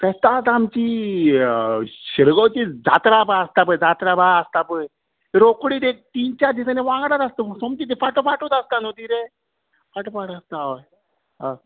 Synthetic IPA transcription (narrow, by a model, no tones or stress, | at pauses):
pɛt̪at̪amt͡ɕi | ɕiɾɡɔwt͡ɕid͡za̰t̪ɾabaəst̪apəjd͡zat̪ɾabaəst̪apəj | ɾokɽit̪et̪iːnt͡ɕad̪isaneʋãŋɡɽat̪ast̪əsomt̪it̪̬efaʈofaʈot̪ast̪anot̪iːɾe | faʈəfaʈast̪aəj | ɦa